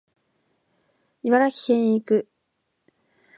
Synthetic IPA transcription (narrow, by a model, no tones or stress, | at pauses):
iβaɾakʲi̥hẽɲ̃ikɯ̟